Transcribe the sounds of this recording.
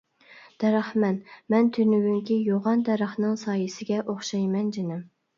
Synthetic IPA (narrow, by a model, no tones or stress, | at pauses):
d̪̥ɛɾæχmɛnmɛnt̪ʰynywyŋkʲijoʁɑnd̪ɛɾɑχnɨŋsɑːjɨsɪɡʲɛʔoχʃɑjmɛnd͡ʒenɪm